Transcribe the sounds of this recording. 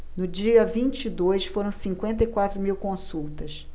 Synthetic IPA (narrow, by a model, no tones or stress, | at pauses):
nʊd͡ʒiɐvĩnt͡ʃid̪ojsfoɾɐ̃w̃sĩŋkwẽnt̪ɐjkwat̪ɾʊmiwkõsuwt̪ɐs